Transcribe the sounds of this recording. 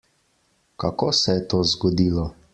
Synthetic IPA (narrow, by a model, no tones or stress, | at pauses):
kakoːsɛjɛt̪oːzɡɔd̪iːlɔ